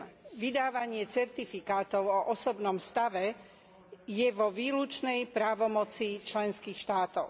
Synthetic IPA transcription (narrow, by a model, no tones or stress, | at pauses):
ʋid̪aːʋaɲɪɛt͡sɛɾt̪ifikaːt̪ɔʊɔʔɔsɔbnɔmst̪aʋɛ | jɛʋɔʋiːlut͡ʃnɛjpɾaːʋɔmɔt͡sit͡ʃlɛnskiːxʃt̪aːt̪ɔʊ